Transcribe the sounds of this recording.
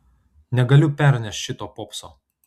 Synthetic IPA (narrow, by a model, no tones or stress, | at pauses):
nʲɛɡɐlʲʊpʲɛˑɾʲnʲɛsʲt̪ʲʃʲɪt̪oːpɔːpsoː